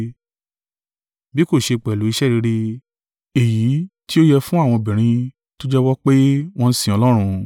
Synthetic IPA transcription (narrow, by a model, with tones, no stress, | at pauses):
bi˦ko˦˨ʃe˧k͡pɛ˨lu˨˦i˧˦ʃɛ˦˨ɾi˨˧˦ɾi˧˦ | e˨ji˨˦ti˦o˦jɛ˧fũ˦a˦˨w̃ɔ̃˧bĩ˨ɾ̃ĩ˧ | to˦d͡ʒɛ˦wɔ˦k͡pe˦w̃ɔ̃˦n̩˦sĩ˦˨ɔ˧lɔ˦ɾ̃ũ˧